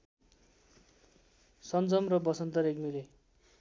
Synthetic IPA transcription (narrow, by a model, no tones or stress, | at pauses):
sʌnd͡zʌmrʌbʌsʌnt̪ʌɾekmile